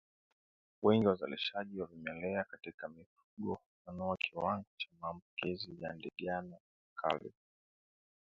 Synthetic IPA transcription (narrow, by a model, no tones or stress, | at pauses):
wɛŋɡiwaza̰lḭʃaʄiwavimɛlɛakatikamifuɠɔ | fanɔakʰiwaŋɡɔt͡ʃamaːmbukizija̰ndɛɠana | kʰa̰lɛ̰